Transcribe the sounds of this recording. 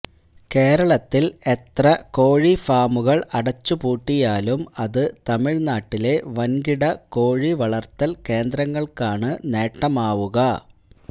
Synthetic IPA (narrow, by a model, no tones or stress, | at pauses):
ke̞ːɾɐɭɐt̪ːile̞t̪rɐko̞ːɻifaːmuɣɐɭɐɽɐt͡ɕːupuːʈːijaːlumɐðɨt̪ɐmiɻnaːʈːile̞ʋɐnɡiɽɐko̞ːɻiʋɐɭɐrt̪ːɐlke̞ːnd̪ɾɐŋːɐɭkaːɳɨne̞ːʈːɐmaːʋuɣɐ